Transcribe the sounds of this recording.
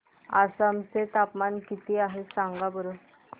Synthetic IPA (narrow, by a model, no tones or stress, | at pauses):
asamt͡set̪apmankit̪iːaɦesaŋɡabəɾə